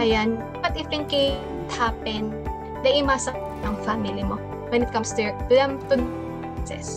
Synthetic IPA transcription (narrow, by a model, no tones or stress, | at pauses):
ʔɐjan | bɐt̪ɪfɪŋkɪ | t̪haːpɛn | d̪ɐʔɪmaːsɐk̚ | t̪ʔɐŋfamɪlɪmo | wɛnɪt̪̚kɐmst̪ʊt̪ʊlɐmt̪unp | sɛ̰s